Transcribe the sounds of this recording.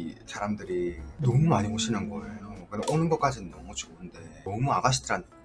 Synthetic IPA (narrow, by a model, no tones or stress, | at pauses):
sʰaɾamdɯɾinʌmumaɲiɦoɕʰinɯnɡʌejokɯdeʔonɯnɡʌk͈ad͡ʑinɯnːʌmut͡ɕounde̞ʌmuaɡaɕʰidʰɯɾan